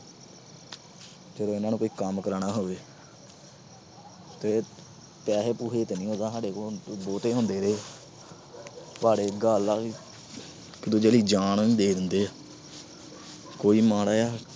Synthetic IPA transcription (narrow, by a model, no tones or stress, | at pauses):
d͡ʒəd̪oːɪnãːnũkoːiːkəmkəɾaɳaːɦoːʋeː | t̪eː | pɛːseːpuːɦeːt̪eːnĩːɦõːd̪aːsaːɖeːkoboːt̪eːɦõːnd̪eːɾeː | paːɽeːɡaːlaː | kɪd̪õːd͡ʒeːliːd͡ʒaːɳĩːd̪eːd̪ɪnd̪eːaː | koːiːmaːɽaːjaː